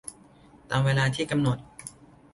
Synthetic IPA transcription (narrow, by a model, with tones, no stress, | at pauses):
t̪aː˧mweː˧laː˧t̪ʰiː˥˩ka˧mno˨˩t̪̚